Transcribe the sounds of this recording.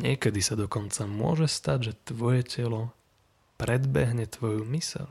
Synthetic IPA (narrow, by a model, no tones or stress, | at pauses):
ɲɪɛkɛd̪isad̪ɔkɔnt͡samʊɔ̰ʒɛst̪aɟʒɛt̪ʋɔjɛcɛlɔ | pɾɛd̪bɛɦɲɛt̪ʋɔjumisɛ̰l